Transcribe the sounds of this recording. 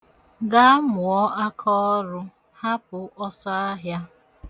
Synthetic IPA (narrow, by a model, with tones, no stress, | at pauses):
ɡa˦mʊ˨ɔ˦ʔa˦kʰɔ˦ɔ˦ɾʊ˦ | ha˦p̚ʊ˨ʔɔ˦sɔ˦a˦ɦja˦